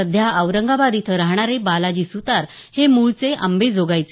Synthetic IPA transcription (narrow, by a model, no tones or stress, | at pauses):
əd̪ʱjaʔəʋɾəŋɡabad̪it̪ʰəɾaɦɳ̃aɾebalad͡ʑisut̪aɾhemuɭt͡seʔə̰mbed͡zʱoɡajt͡se